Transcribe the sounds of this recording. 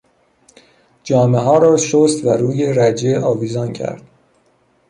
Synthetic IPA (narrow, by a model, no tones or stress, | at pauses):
d͡ʒɒːme̞ɦɒːɾɒːʃost̪væɾuːje̞ɾæd͡ʒeʔɒːviːzɒncʰæ̰ɾd̪̥̚